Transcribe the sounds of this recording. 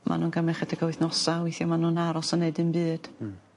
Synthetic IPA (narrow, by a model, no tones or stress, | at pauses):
mʔa̰nuːnɡamɛχɛtʰəɡawɪθnɔsawɪjθjɔmanunaɾɔsəneɨdɨnbɨːd̥